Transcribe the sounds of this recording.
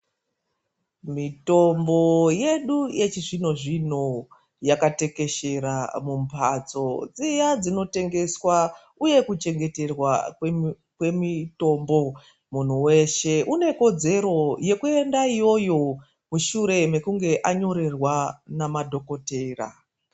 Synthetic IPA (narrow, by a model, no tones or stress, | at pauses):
mito̞mbo̞je̞ɗujet͡ʃiʐino̞ʐino | jakate̞ke̞ʃe̞ɾamumpʰat͡so̞d͡zijad͡zino̞te̞ŋɡe̞swa | uje̞kut͡ʃe̞ŋɡe̞te̞rwa | kwe̞mito̞mbo̞ | mun̤uwe̞ʃe̞ʔune̞ko̞d͡ze̞ɾo̞je̞kue̞ndaijo̞jo̞ | muʃuɾe̞me̞kuŋɡe̞ʔaɲo̞ɾerwanamadʱo̞ko̞teːra̰